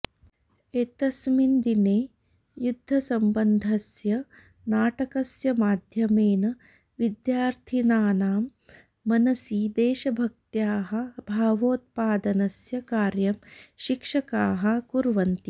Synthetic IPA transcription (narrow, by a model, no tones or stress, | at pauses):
eːt̪ɐsmind̪ineː | jud̪ʱːɐsɐmbɐnd̪ʱɐsjɐ | naːʈɐkɐsjɐmaːd̪ʱjɐmeːnɐ | ʋid̪jaːɾt̪ʰinaːnaːmː | ɐnɐsiːd̪eːʃɐbʱɐk̚t̪jaːɦɐ̆bʱaːʋoːt̪̚paːd̪ɐnɐsjɐkaːɾjɐmʃikʂɐkaːɦɐ̆kuɾʋɐnt̪i